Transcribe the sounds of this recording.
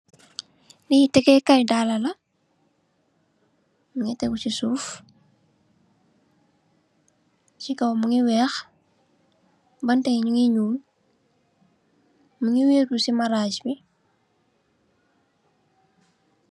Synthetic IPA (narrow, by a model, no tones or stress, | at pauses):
liitɛkɛkajdalɐla | muŋiteɡusisuːf | t͡ʃikawmuŋiwɛːx | banteŋɲuŋiɲuːl | muŋiweːdusimaɾaːd͡ʒbi